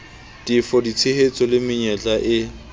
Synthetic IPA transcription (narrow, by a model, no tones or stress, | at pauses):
difɔdit͡sʰehet͡sʼɔlɪmɪɲɛt͡ɬʼaʔɪ